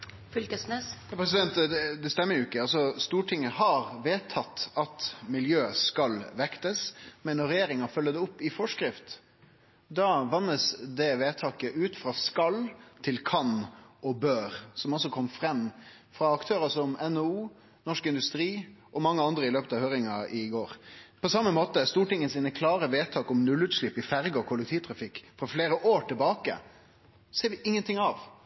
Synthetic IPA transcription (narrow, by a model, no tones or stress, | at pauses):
fʏlkəsnesɑpʰɾɛs̬ɪd̪ɛnt̪d̪ɛst̪ɛmːəɾjʊɪkːəɑlsɔst̪uːʈʰɪŋːəhɑɾʋeːt̪ʰɑt̪ːɑt̪mɪljøːskɑlʋɛkt̪əsmɛnːɔɾɛjeːɾɪŋɑfœlːəd̪ɛʊpːɪfɔʂkɾɪft̪ | d̪ɑʋɑnːəsd̪ɛʋeːt̪ʰɑːkəʔʉːt̪fɾɑskɑlːt̪ʰɪlkʰɑnɔbøːɾsɔmɔsːɔkʰɔmːfɾɛmː | fɾɑɑkt̪ʰøːɾəsɔmɛnouː | nɔʂkɪnd̪ʉst̪ɾiːʔɔmɑŋːəɑnd̪ɾəɪløːpət̪ɑʋhøːɾɪŋɑʔɪɡoːɾpʰɔsɑmːəmoːt̪əst̪uːʈɪŋːənsiːnəkʰlɑːɾəʋeːt̪ʰɑːkɔmnʉlːʉːt̪ʂlɪpːɪfæɾɡəɔkʰʊlɛk̚t̪ʰiːʋt̪ʰɾɑfɪkːfɾɑfleːɾəʔoːʈʰɪlbɑːkə̰ | seːɾʋɪʔɪŋːənt̪ɪŋːɑʋ